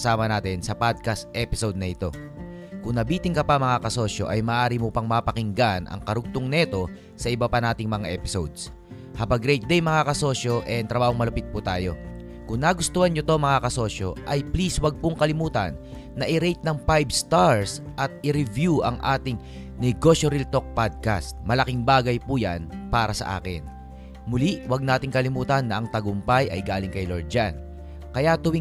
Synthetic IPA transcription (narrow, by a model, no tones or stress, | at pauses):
saːmɐnaːt̪ɪnsɐpad̪̚kɐst̪ʔɛpɪsowd̪̚nɐʔɪt̪o̞̰ | kʊŋnɐbiːt̪ɪŋkɐpɐmɐŋakɐso̞ʃo̞̰ʔɐjmɐːʔaːɾimopɐŋmɐpɐkɪŋɡanʔɐ̰ŋkɐɾʊɡ̚t̪oŋnɛt̪o̞ | sɐʔɪbɐpɐnaːt̪ɪŋmɐŋaʔɛːpɪsowd̪s | habɐɡɾɛjt̪̚d̪ɛjmɐŋakɐso̞ʃo̞ʔɛnt̪ɾɐbaːhoŋmɐlɐpɪt̪̚put̪aːjo̞̰ | kʊŋnaɡʊst̪oːhɐnɲot̪o̞mɐŋakɐso̞ːʃo̞̰ʔɐjpliswɐɡ̚pʊŋkɐlɪmuːt̪ɐ̰nː | ɐʔɪɾɛjt̪̚nɐŋpajbst̪aɹsʔɐt̪̚ɪɾɪvjuʔɐ̰ŋʔa̰ːt̪ɪŋ | nɛɡo̞ʃjoɾilt̪o̞k̚pad̪̚ka̰st̪̚mɐlɐkɪŋbaːɡɐjpuːja̰npaːɾɐsɐ̰ʔa̰ːkɪ̰n | mʊliʔwɐɡ̚naːt̪ɪŋkɐlimuːt̪ɐnːɐʔɐŋt̪ɐɡʊmpajʔɐ̰jɡaːlɪŋkɐjloɹd͡ʒan | kɐjaʔt̪ʊwi